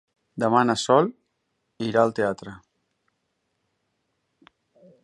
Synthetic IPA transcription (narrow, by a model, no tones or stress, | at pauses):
d̪əmanəsɔl | iɾaəlˠt̪eat̪ɾə